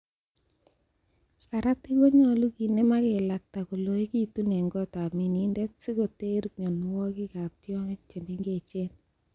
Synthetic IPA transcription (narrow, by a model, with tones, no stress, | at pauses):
sa˨ɾa˦ti˦ɡo˦ɲɔ˦lu˦ki˨ne˦ma˦ke˨la˨k̚ta˨ku˨lo˨˦i˦ki˦tu˦ne˨ŋɡɔ˦ta˨mi˨ni˨ndɛ˦tsi˦ko˨te˦ɾkɲo˨nʊ˦wɔ˦kɪ˦ka˨p̚tjɔ˦ŋɛ˦k̚t͡ʃe˨ne˦ŋɡe˦˨t͡ʃe˦n